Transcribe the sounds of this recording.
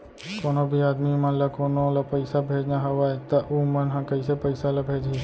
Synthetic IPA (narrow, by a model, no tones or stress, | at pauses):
koːnobʱiaːd̪mimɐnlɐkoːnolɐpɐɪsabʱeːd͡ʒnaɦɐʋaːet̪ɐʔumɐnɦãkɐisepɐɪsalɐbʱeːd͡ʒi